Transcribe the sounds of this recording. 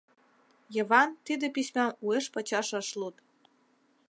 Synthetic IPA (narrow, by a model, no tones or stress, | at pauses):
jɤ̆βɑnt̪id̪ɘ̆pʲisʲmʲɑmueʃpɤ̆t͡ɕɑʃɤ̆ʃlut̪